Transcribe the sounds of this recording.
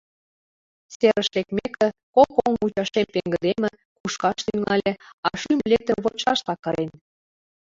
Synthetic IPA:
seɾə̆ʃlekmekə̆kokoŋut͡ɕɑʃemt̪eŋɡə̆d̪emə̆ | kuʃkɑʃt̪yŋɑlʲĕɑʃymlet̪ə̆mβot͡ɕɑʃt̪ɑkːɤɾen

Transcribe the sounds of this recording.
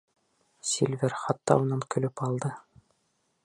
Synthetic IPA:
sʲilʲvʲɘɾχɑt̪ːɑ̰unɤnkɵ̆lɵpɑlˠd̪ɤ

